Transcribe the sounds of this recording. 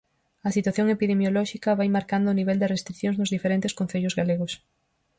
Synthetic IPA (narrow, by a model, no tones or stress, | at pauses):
ɐsit̪waθjoŋepiðemjolɔʃikɐβajmaɾkand̪ʊniβɛld̪ɪrest̪ɾiθjõŋznʊzðifeɾent̪ɪskõn̟θeʎʊzɣaleɣʊs